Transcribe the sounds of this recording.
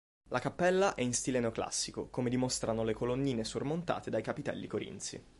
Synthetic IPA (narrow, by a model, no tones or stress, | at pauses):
lakapːɛlːaʔɛinst̪ileneokla̰sːikokomed̪imost̪ɾanolekolonːiːnesormont̪a̰ːt̪ed̪ajkapit̪ɛ̰lːikoɾḭnt̪sḭ